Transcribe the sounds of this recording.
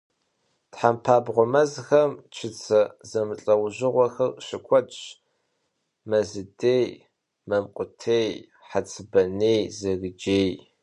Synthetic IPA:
tħampʰaːbʁʷʊmɐzxɐmt͡ʃʰɪt͡sʰɐzɐmɨɬʼɐwʑɪʁʷɔxɐrɕɪkʷʰɔt͡ʃ | mɐzɨdeːj | mɐmqʷʼʊtʰeːj | ħat͡sʼʰɨbɐneːjzɐɣɨd͡ʒeːj

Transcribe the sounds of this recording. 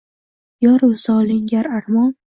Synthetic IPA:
jɒɾʊsɒlɪŋɡʲaɾaɾmɒn

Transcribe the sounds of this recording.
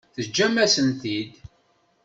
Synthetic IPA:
θəd͡ʒːæmæsənt̪id̪

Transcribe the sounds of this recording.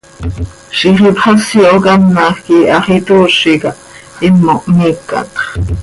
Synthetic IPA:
ʃiχipχɑsiokɑmnɑxkiɑχit̪uːʃikɑʔ | imːoʔmikːɑ̰t̪χ

